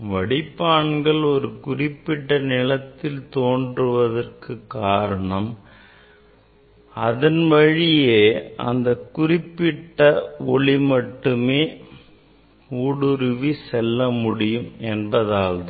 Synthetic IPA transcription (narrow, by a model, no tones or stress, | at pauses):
ʋɐɽɪpːaːɳɡɐɭɔɾɯkʊrɪpːɪʈːɐnɪɭɐt̪ːɪlt̪oːndrɯʋɐðɐrkʰɯkːaːɾɐɳɐm | ɐðɐnʋɐɻɪjeːɐ̰nd̪ɐkʊrɪpːɪʈːɐɔɭimɐʈːɯmeː | uːɽɯɾʋisɛlːɐmʊɽɪjɯmɛnbɐðaːlðɯ